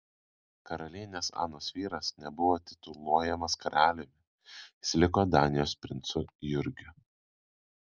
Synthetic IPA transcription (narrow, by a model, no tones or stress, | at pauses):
kɐɾɐlʲiːnʲeːsɑ̰ːnoːsʋʲiːɾɐsnʲɛbʊʋoːt̪ʲɪ̥t̪ʊlˠuɔjɛmɐskɐɾɑːlʲɪmʲɪ | ɪsʲlʲɪkoːd̪ɑːnʲɪjoːspʲɾʲɪnt̪sʊjʊɾʲɡʲʊ